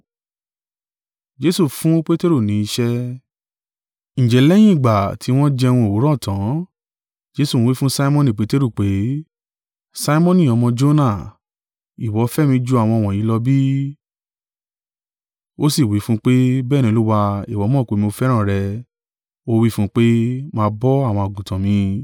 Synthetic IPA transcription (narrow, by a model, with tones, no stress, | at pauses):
d͡ʒe˧˦su˦˨fũ˦k͡pe˦te˦ɾo˦˨nĩ˨˦i˧ʃɛ˦ | ñ̩˨d͡ʒɛ˨lɛ˦j̃ĩ˦i˦˨ɡ͡ba˨tʰi˨˧˦w̃ɔ̃˦d͡ʒɛ˧w̃ɔ̃˧o˨wu˨˦ɾɔ̃˦˨tʰã˨˦ | d͡ʒe˧˦sũ˦˨˦wi˦fũ˦sa˦i˦mɔ̃˦nĩ˨k͡pe˨˦te˦ɾu˦˨k͡pe˨˦ | sa˦i˦mɔ̃˦nĩ˦˨ɔ˧mɔ̃˧d͡ʒo˦nã˦˨ | i˨wɔ˨˦fɛ˦mĩ˧d͡ʒu˧˦a˦˨w̃ɔ̃˧w̃ɔ̃˨jĩ˨˦lɔ˧bi˦ | o˦si˦˨wi˨˦fũ˦k͡pe˦bɛː˦˨nĩ˧o˧lu˦wa˧i˨wɔ˨˧˦mɔ̃˦˨ko˨˧˦mĩ˧o˧fɛ˦ɾ̃ã˦˨ɾɛ˧ | o˦wi˦fũ˦k͡pe˦mã˧bɔ˦a˦˨w̃ɔ̃˧o˨ɡũ˨tã˨mĩ˧